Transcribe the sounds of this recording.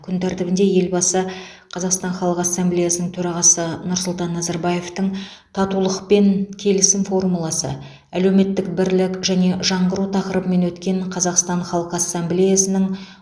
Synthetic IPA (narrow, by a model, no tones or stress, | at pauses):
kʲʰʏnt̪ʰæɾt̪ɪbɪnd̪e̞je̞lbɑsə | qʰɑzɑqst̪ɑɴχɑlˠəqɑsːemblejasənəŋt̪ʰɵɾɑʁɑsənʊɾsʊlˠt̪ɑnːɑzɑɾbɑje̞ft̪əɴ | t̪ʰɑt̪ulˠəqpe̞nkʲʰe̞lɪsɪmfo̞rmulˠɑsə̰ | ælewme̞t̪ːɪkbɪɾlɪkʒæne̞ʒɑɴʁəɾut̪ʰɑqəɾəbəme̞nwɵt̪kʲe̞ɴqʰɑzɑqst̪ɑɴχɑlˠəqəɑsːamblʲejasənəɴ